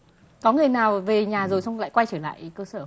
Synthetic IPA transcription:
kɔ˨˦ŋɨ˨˩əjnaː˨˩wve˨˩ɲaː˨˩zo˨˩jsa˧wŋ͡mla̰ː˧˨kwa˧jt͡ɕəː˧˩la̰ː˧˨jkəː˧səː˧˩

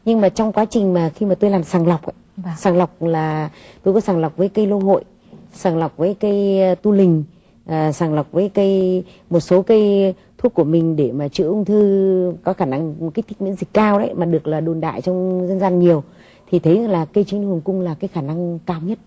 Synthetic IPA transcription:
ɲɨ˧ŋmaː˨˩t͡ɕɔ˧wŋ͡mkwaː˨˦t͡ɕï˨˩ŋ̟maː˨˩xi˧maː˨˩t̪o˧jlaː˨˩msaː˨˩ŋla˨˩wk͡pʔa̰˧˦˧saː˨˩ŋla˨˩wk͡p̚laː˨˩t̪o˧jkɔ˨˦saː˧˩ŋla˨˩wk͡p̚vəː˨˦jkə˧jlo˧ɦo̰˧˨j | saː˨˩ŋla˨˩wk͡p̚vəː˨˦jka˨˧˦jt̪u˧lï˨˩ŋ̟ | ʔːsaː˨˧˩ŋla˨˩k͡p̚vəː˨˦jkə˧j | mo˨˩t̚so˨˦kaəː˨˧˦j | t̪ʰu˦˥əkːu˧˩əmï˨˩ŋ̟ɗe˧˩maː˨˩t͡ɕɨ̰˧˥ʔʊ˧ŋ͡mt̪ʰɨ˧kɔ˨˦xaː˧˩na˧ŋ˨˩ka˦˥k̚t̪i˦˥k̚mḭ˧˥ənzi˨˩k̟kaː˧wɗə˨˦jmaː˨˩ɗɨ˨˩ək̚laː˨˩ɗo˨˩nɗa̰ː˧˨jt͡ɕɔ˧wŋ͡mzə˧nzaː˧nɲi˨˩əw | t̪ʰi˨˩t̪ʰə˨˦˧laː˨˩kə˧t͡ɕi˨˦nhɨ˨˩əŋkʊ˧ŋ͡mlaː˨˩kaː˨˦jxaː˧˩na˧ŋkaː˧wɲə˦˥t̚

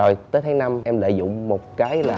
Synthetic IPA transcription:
o˨˩jt̪əː˨˦jt̪ʰaː˨˦ŋna˧mʔɛ˧mlə̰ː˧˨zʊ̰˧˨ŋ͡mmo˨˩t̚kaː˨˦jlaː˨˩

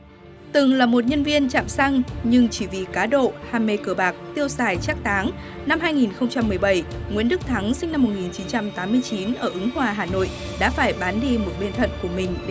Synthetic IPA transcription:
t̪ɨ˨˩ŋlaː˨˩mo˨˩t̚ɲə˧nvi˧ənt͡ɕa̰ː˧˨msa˧ŋɲɨ˧ŋt͡ɕi˧˩vi˨˩kaː˨˦ɗo̰˧˨haː˧˩mːe˧kəː˧˩ɓaː˨˩k̚t̪i˧əwsaː˨˩jt͡ɕaː˦˥k̚t̪ʰaː˨˦ŋ | na˧mhɦaː˧jŋi˨˩nxə˧wŋ͡mt͡ɕa˧mːɨ˨˩əjɓə˧˩jŋwḭ˧˥ənɗɨ˦˥k̚t̪ʰa˨˦ŋsi˧ŋ̟na˧mːo˨˩t̚ŋi˨˩nt͡ɕi˨˦nt͡ɕa˧mt̪aː˨˦mːɨ˧əjt͡ɕi˨˦nʔəː˧˩ʔɨ˨˦ŋhwaː˨˩ɦaː˨˩no̰˧˨j | ɗa̰ː˧˥faː˧˩jɓaː˨˦nɗi˧mo˨˩t̚ɓe˧nt̪ʰə̰˧˨nku˧˩əmï˨˩ŋ̟ɗ

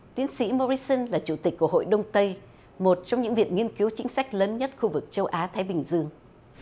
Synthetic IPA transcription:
t̪i˨˦ənsḭ˧˥mo˧ɾi˧sə˧nlaː˨˩t͡ɕu˧˩t̪ï˨˩k̟̚kːu˧˩əɦo̰˧˨jɗə˧wŋ͡mt̪ə˧j | mo˨˩t̚t͡ɕɔ˧wŋ͡mɲɨ̰˧˥ŋvḭ˧˨ənŋi˧ənki˨˦wt͡ɕï˨˦ŋ̟sa˦˥jk̟̚ləː˨˦nɲə˦˥t̚xu˧vɨ˨˩k̚t͡ɕə˧wʔaː˨˦t̪ʰaː˨˦jɓï˨˩ŋ̟zɨ˧əŋ

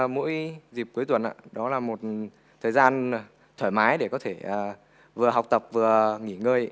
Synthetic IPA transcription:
mṵ˧˥jzi˨˩p̚ku˨˦əjt̪wə˨˩nʔa̰ː˧˨ɗɔ˨˦laː˨˩mo˨˩t̚ | t̪ʰəː˨˩jzaː˧n | t̪ʰwəː˧˩jmaː˨˦jɗe˧˩kɔ˨˦t̪ʰe˧˩ʔəː˨˩ | vɨ˨˩əɦa˨˩wk͡p̚t̪ə˨˩p̚vɨ˨˩əŋi˧˩ŋəː˧j

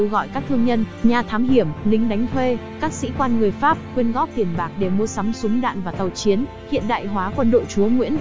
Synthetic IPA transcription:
wɣɔ̰˧˨jkaː˦˥k̚t̪ʰɨ˧əŋɲə˧n | ɲaː˨˩t̪ʰaː˨˦mɦi˧˩əmlï˨˧ŋ̟ɗa˨˦jŋ̟t̪ʰwe˧kaː˦˥k̚sḭ˧˥kwaː˧nŋɨ˨˩əjfaː˦˥p̚xwi˧ənɣɔ˦˥p̚t̪i˧˩ənɓaː˦˩k̚ɗe˧˩mu˧əsa˨˦msʊ˨˦ŋ͡mɗa̰ː˧˨nvaː˨˩t̪ə˨˩wt͡ɕi˨˦ən | hḭ˧˨ənɗa̰ː˧˨jɦwaː˨˦kwə˧nɗo̰˧˨t͡ɕu˨˦əŋwḭ˧˥ən

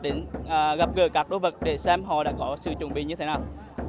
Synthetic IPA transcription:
ɗe˨˦nʔəː˨˩ɣə˦˥p̚ɣəː˧˩kaː˦˥k̚ɗo̰˨˦jvə˨˩t̚ɗe˧˩sɛ˧mɦɔ̰˧˨ɗa̰ː˧˥kɔ˨˦sɨ̰˧˨t͡ɕʊ˨˧˩nɓḭ˧˨ɲɨ˧t̪ʰe˨˦naː˨˩w

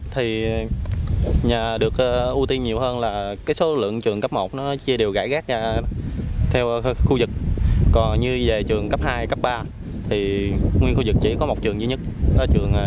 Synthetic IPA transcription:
t̪ʰi˨˩ | ɲaː˨˩ɗɨ˨˩ək̚ʔʔu˧t̪i˧nɲi˨˩əwhəː˧nlaː˨˩kaː˨˦jso˨˦lɨ̰˧˨əŋt͡ɕɨ˨˩əŋkə˦˥p̚mo˨˩t̚nɔ˨˦t͡ɕi˧əɗe˨˩wɣa̰ː˧˩jɣaː˦˥k̚zaː˧ | t̪ʰɛ˧wxu˧zɨ˨˩k̚kɔ˨˩nɲɨ˧ve˨˩t͡ɕɨ˨˩əŋkə˦˥p̚haː˧jkə˦˥p̚ɓaː˧ | t̪ʰi˨˩ŋwi˧ənŋxu˧zɨ˨˩k̚t͡ɕḭ˧˩kɔ˨˦mo˨˩t̚t͡ɕɨ˨˩ŋzi˧ɲə˦˥t̚ʔə˨˦t͡ɕɨ˨˩əŋʔ

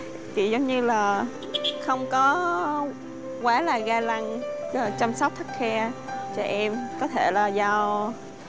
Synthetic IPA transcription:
t̪i˨˩zə˨˦wŋ͡mɲɨ˧laː˨˩ | xə˧wŋ͡mkɔ˨˦ | kwaː˧˩laː˨˩ɣaː˧la˧ŋ˨˩t͡ɕa˧msa˦˥wk͡p̚t̪ʰə˦˥k̚xɛ˧t͡ɕɔ˧˩ʔɛ˧mkɔ˨˦t̪ʰe˧˩laː˨˩zaː˧w

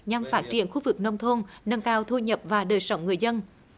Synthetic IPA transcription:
ɲa˨˩mfaː˦˥t̚t͡ɕḭ˨˧˩ənxu˧vɨ˨˩k̚nə˧wŋ͡mt̪ʰo˧nnə˧ŋkaː˧wt̪ʰu˧ɲə˨˩p̚vaː˨˩ɗəː˨˩jsə˧˦wŋ͡mŋɨ˨˩əjzə˧n

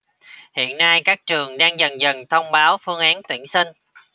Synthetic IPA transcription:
hḭ˧˨ənːa˧jkaː˦˥k̚t͡ɕɨ˨˩əŋɗaː˧ŋzə˨˩nzə˨˩ŋt̪ʰə˧wŋ͡mɓaː˨˦wfɨ˧əŋʔaː˨˦nt̪wḭ˧˩ənsi˧ŋ̟

